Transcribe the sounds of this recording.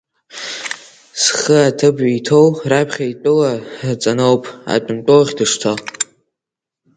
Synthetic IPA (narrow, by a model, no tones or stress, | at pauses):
sχəatʰɨbitʰowrapʰχʲaitʼɨlat͡sʼanowpʰʼa̰t͡pʷʼʊntʼowʁʲdɨʂtʰo